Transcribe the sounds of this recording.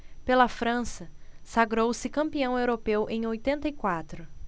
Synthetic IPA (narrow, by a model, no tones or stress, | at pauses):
pelɐfɾɐ̃sɐsaɡɾowsɪkɐ̃mpiɐ̃w̃ewɾopewʔẽj̃ojt̪ẽnt̪ɐikwat̪ɾʊ